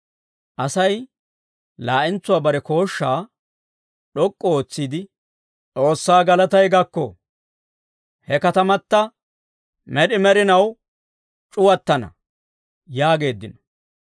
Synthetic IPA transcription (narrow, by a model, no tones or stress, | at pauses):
ʔɐsɐj | laːʔɪnt͡sːʊwaːbɐɾɛko̞ːʃːaː | ɗɔkʼːɔoːt͡sːiːd̪ɪ | t͡sʼo̞ːsːaːɡɐlɐt̪ɐjɡɐkːɔ̰ | hɛkɐt̪ɐmɐt̪ːɐ | mɛɗɪmɛɾɪnɐw | t͡ʃʼʊwɐt̪ːɐnɐ̰ | jaːɡe̞ːd̪ːɪnɔ̥